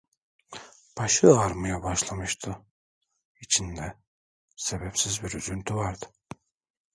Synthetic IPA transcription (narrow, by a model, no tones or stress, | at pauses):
b̥aʃɯaɾmɯjabaʃlˠamɯʃt̪ʰɯ | it͡ʃʰind̪ɛ | sebɛpsizbiɾyzynt̪ʰyvaɾd̪ɯ